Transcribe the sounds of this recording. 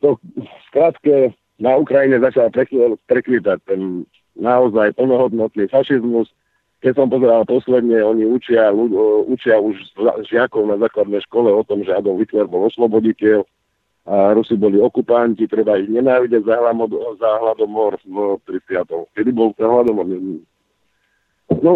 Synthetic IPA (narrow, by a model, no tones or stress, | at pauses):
t̪ɔskɾat̪kɛ | naukɾajiɲɛzat͡ʃalpɾɛpɾɛkʋit̪ac̚t̪ɛnː | aɔzajpl̩nɔɦɔd̪nɔt̪nifaʃizmus | kɛsɔmpɔzɛɾalpɔslɛd̪ɲɛɔɲiut͡ʃɪauut͡ʃɪauʒza̰ʒɪakɔʊnazaːklad̪nɛjʃkɔlɛɔt̪ɔmʒɛad̪ɔɦit̪lɛɾbɔlɔslɔbɔɟicɪɛl | aɾusibɔliɔkupancit̪ɾɛbaiɣɲɛnaːʋiɟɛɟzaɦlamɔzaɦlad̪ɔmɔɾt̪ɾisɪat̪ɔʊkɛd̪ibɔlt̪ɛnɦlad̪ɔmɔɾɲɛɛ | nɔ